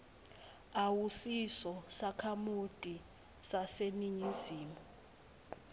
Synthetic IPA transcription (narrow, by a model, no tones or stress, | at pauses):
awusisɔsakʰamutʼi | saseniɲiziːmu